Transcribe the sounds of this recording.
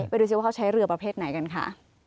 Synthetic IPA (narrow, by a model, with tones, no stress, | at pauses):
pa˧jduː˧si˧˩wa˥˩˧t͡ɕʰa˦˥jɾɯ˧ɐpɾa˧pʰeː˥˩t̪̚na˩˦jka˧nkʰa̰˥˩